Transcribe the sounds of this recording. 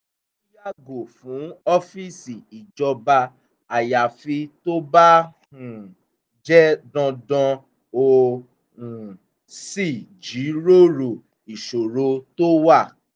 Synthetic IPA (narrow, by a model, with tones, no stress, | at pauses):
i˦ja˦˨ɡo˨fũ˨˦ɔ˦fi˦˨si˨i˨d͡ʒɔ˧ba˧ | a˨ja˨fi˧to˦ba˦ | hũ˨ | d͡ʒɛ˦dɔ̃˧dɔ̃˧ | o˧ | ũ˨ | si˦˨d͡ʒi˨˦ɾo˦˨ɾo˨ | i˨ʃo˨ɾo˧to˦wa˦˨